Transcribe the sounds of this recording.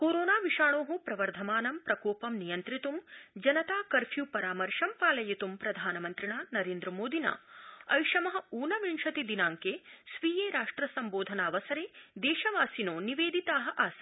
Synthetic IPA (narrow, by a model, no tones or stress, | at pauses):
koːɾoːnaːʋiʂaːɳoːɦupɾɐʋɐɾd̪ʱɐmaːnɐmpɾɐkoːpɐmnijɐnt̪ɾit̪umd͡ʒɐnɐt̪aːkɐɾpʰjupɐɾaːmɐɾʂɐmpaːlɐjit̪umpɾɐd̪ʱaːnɐmɐnt̪ɾiɳaːnɐɾeːnd̪ɾɐmoːd̪ʱina̰ːɐjʂɐmɐɦɐ̆uːnɐʋiɳʂɐt̪id̪inaːŋkeːsʋiːjeːɾaːʂʈɾɐsɐmboːd̪ʱɐnaːʋɐsɐɾeːd̪ɛːʃɐʋaːsinoːniʋeːd̪it̪aːɦɐʔaːsɐ